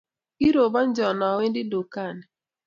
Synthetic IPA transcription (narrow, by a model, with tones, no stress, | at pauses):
i˦ɾo˨ba˦n̩˦d͡ʒɔ˨nɔ˨we˦n˦dɪ˦do˨ka˦˨nɛ˨